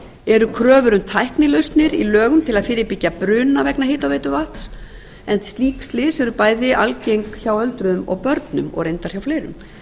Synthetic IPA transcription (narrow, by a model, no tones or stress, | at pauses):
ɛɾʏkʰɾœːvʏɾʏmt̪ʰajhknɪlœst̪nɪɾilœːɣʏmt̪ʰɪlaðfɪːɾɪpɪcːapɾʏːnavɛknaheːt̪awvejt̪ʏvaht̪s | ɛnst̪liːkst̪lɪsɛɾʏpaːjðɪʔalcejŋkçawœlt̪ɾʏðʏmɔ̰ɣpœɾt̪nʏmɔ̰ɣɾejnt̪aɾ̥çawfleːɾʏ̰m